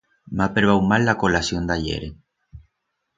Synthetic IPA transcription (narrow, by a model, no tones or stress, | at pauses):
mapeɾβawmalːakolasjond̪aʎḛɾe